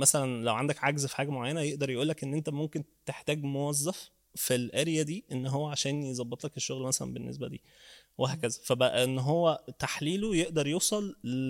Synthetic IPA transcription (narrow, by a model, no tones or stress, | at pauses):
mæsælænlæwʕand̪ækʕaɡzfi̥ħaːɡæmoʕajːænæjeʔd̪ɑɾˤjeʔuːlːækʔenːʔent̪æmomkent̪eħt̪æːɡmowæzːæf | filʔæɾejæd̪iːʔenːɦowːæʕaʃæːnjezˤɑbːet̪ˤlækeʃːoɣlmæsælæ̰nbenːḛsbæ̰d̪ḭː | wʔeɦæːkæzæfæbæʔæʔenːɦowːæt̪aħliːlojeʔd̪ɑɾˤjuːsˤɑl